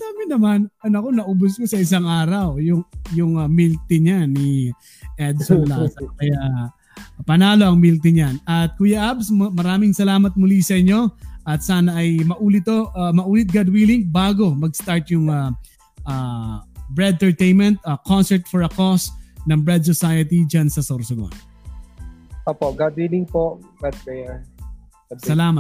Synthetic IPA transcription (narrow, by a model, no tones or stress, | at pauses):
d̪aːmɪnɐmanʔɐnɐkonɐʔʊbʊskosɐʔɪs̬aŋaːɾɐwjʊŋjʊŋamilt̪ɪɲani | ʔɛd̪̚solasɐkɐjaʔ | pɐnaːlo̞ɐŋmilt̪ɪɲanɐt̪̚kujɐʔabsmɐɾaːmɪŋsɐlaːmɐt̪̚mʊlisɐʔɪɲo̞ʔɐt̪̚saːnɐʔɐjmɐʔuːlɪt̪oʔmɐʔuːlɪt̪̚ɡad̪wiːlɪŋbaːɡo̞mɐɡ̚st̪aɹt̪̚jʊŋa | ʔaːbɹɛd̪t̪ɛɹt̪ejnmɛ̃nt̪̚ɐkonsɛɹt̪fɔɹɐkosnɐŋbɹɛd̪̚sɔsajɐt̪id͡ʒansɐsoɾsɐɡo̰n | oːpoɡad̪̚wilɪŋpoɡad̪̚kɛja | sɐlaːmɐt̪̚